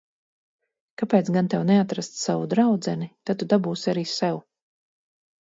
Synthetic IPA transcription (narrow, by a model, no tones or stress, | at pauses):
kapɛːt̪sɡant̪ɛwnɛat̪ɾast̪savud̪ɾawd̪zɛnit̪at̪ːud̪abuːsiaɾiːsɛw